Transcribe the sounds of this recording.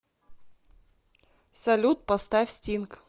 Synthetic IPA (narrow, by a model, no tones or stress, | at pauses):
sɐlʲut̪̚pɐst̪afʲsʲtʲink